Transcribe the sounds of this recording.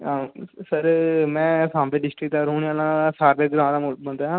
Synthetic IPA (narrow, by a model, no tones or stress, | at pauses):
ãsəɾmɛ̃ːsãːmpeːɖɪsʈɾɪk̚t̪aːɾɦoːɳiaːlãsaːɾbeːɾɡɾãːd̪aːmʊmə̃nd̪aːɦãː